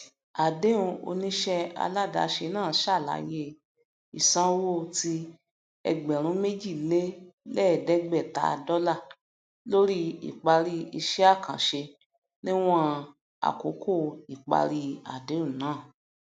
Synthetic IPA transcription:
a˨de˨˦ũ˧o̰˧nĩ˦ʃɛ˧a̰˧la˦˨da̰˨ʃe˧nãː˦˨˦ʃa˦˨la̰˨˦je˦˨ | i˨sã˦wo˦˨ti˧ | ɛ̰˧ɡ͡bɛ˨ɾ̃ũ˨˦me˦d͡ʒi˦˨le˦lɛ˦˨dɛ˦ɡ͡bɛ˦˨ta̰˧˨˧dɔ˦la˦˨ | lo˦ɾi˦ḭ˨k͡pa˧ɾi˧i˧ʃɛ˦a˦˨kã˨ʃe˧ | nĩ˦w̃ɔ̃˦ | a̰˨ko˨˦ko˦˨i˨k͡pa̰˧ɾi˧˦a̰˨de˨˦ũ˦˨nãː˨˦˨

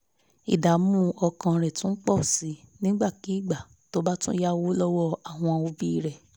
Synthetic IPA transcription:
i˨da˨˦mũ˦ɔ˧kã˧ɾɛ˨tũ˦n̩˦k͡pɔ˦˨si˨˦nĩ˦ɡ͡ba˦˨ki˨˦i˦˨ɡ͡ba˨ | to˦ba˦tũ˦ja˦wo˦lɔ˦wɔ˦a˦˨w̃ɔ̃˧o˧˦bi˦i˦˨ɾɛ˨

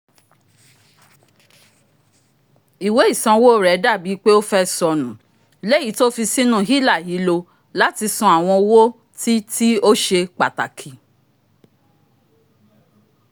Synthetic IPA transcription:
i˨we˨˦i˦˨sã˧wo˦˨ɾɛ˨˦da˦˨bi˨˦k͡pe˦o˦fɛ˦sɔ˧nũ˨ | le˦ji˨˦to˦fi˧si˦nũ˦˨ɦi˦la˦˨ɦi˨˦lo˧ | la˦ti˧sɔ̃˧a˨w̃ɔ̃˧o˧wo˦ | ti˦ti˦o˦ʃe˧k͡pa˨ta˨kʰi˨

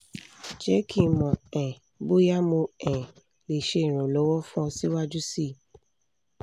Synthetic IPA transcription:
d͡ʒɛ˨˦kʰĩ˦˨mɔ̃˨ɛ̃˨ | bo˦ja˦mũ˧ɛ̃˨ | le˨ʃe˧˨ɾ̃ũɔ̃˨lɔ˨˦wɔ˦fũ˦ɔ˧si˦wa˦d͡ʒu˦si˦˨

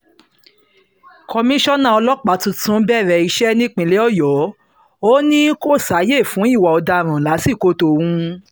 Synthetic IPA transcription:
kɔ˧mĩ˦ʃɔ˦nã˦˨ɔ˧lɔ˦k͡pa˨˦tũ˧tũ˨˦bɛ˦˨ɾɛ˧˨i˧ʃɛ˦nĩ˦k͡pĩ˧le˨˦ɔ˦˨jɔ˨˦ | o˦nĩ˦ko˦˨sa˨˦je˦˨fũ˨˦i˦˨wa˨ɔ˧da˧ɾ̃ã˨la˨˦si˦˨ko˦to˧˨wũ˦

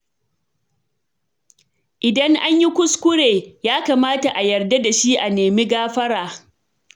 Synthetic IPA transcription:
ʔɪ˨dɐ˦ŋʔa˦ɲji˦kʷʊ˦skʷʊ˦ɽeː˨jaː˦kaː˨maː˦ta˨ʔa˨jɐ˨rda˦da˨ʃi˦ʔa˨neː˨mi˦ɡaː˦ɸɐ˦ɽɾaː˨

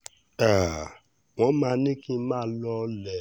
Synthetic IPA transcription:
a˨ | w̃ɔ̃˨˦mã˦˧˦nĩ˦kĩ˦mãː˦lɔ˧˦˧lɛ˨

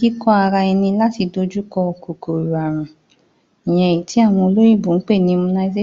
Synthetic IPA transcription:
i˦kɔ˦a˧ɾa˧ɛ˧nĩ˧la˦ti˧do˧d͡ʒu˦kɔ˧ko˨ko˨ɾu˨a˨ɾ̃ũ˨ | ĩ˨j̃ɛ̃˨ji˨ti˨˦a˦˨w̃ɔ̃˧o˧lo˦j̃ĩ˦˨bũ˨n̩˦k͡pe˦˨nĩ˧˦˧mũ˧na˧˦d͡ʒe˦

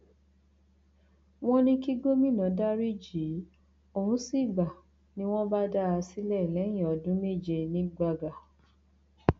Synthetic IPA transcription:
w̃ɔ̃˦nĩ˦ki˦ɡo˦mĩ˦˨nã˨˦da˦ɾi˦d͡ʒi˨˦ | o˨ũ˨˦si˦˨ɡ͡ba˨ | nĩ˦w̃ɔ̃˦ba˦da˦a˧si˦lɛ˦˨lɛ˨˦j̃ĩ˨ɔ˨dũ˦me˦˨d͡ʒe˧nĩ˦ɡ͡ba˧ɡa˨

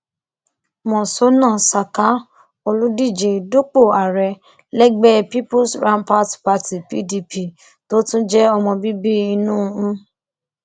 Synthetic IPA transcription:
mɔ̃˨so˨˦nã˦˨sa˨ka˨˦ | o˧lu˦di˦˨d͡ʒe˨du˦k͡po˦˨a˨ɾɛ˧ | lɛ˦ɡ͡bɛ˦pi˦pu˦sɾã˦npa˦tpa˧ti˨pḭ˦di˧pi˦˨ | to˦tũ˦d͡ʒɛ˦ɔ˧mɔ̃˧bi˦bi˦i˧nũ˦ũ˦

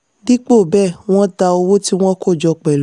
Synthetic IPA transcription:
di˦k͡po˦˨bɛ˦˨w̃ɔ̃˦ta˧o˧wo˦ti˦w̃ɔ̃˦ko˦˨d͡ʒɔ˧k͡pɛ˨l

